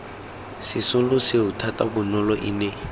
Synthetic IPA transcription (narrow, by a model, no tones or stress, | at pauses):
sɪsʊlʊsɪʊtʰatabʊnɔlɔʔḭnɛ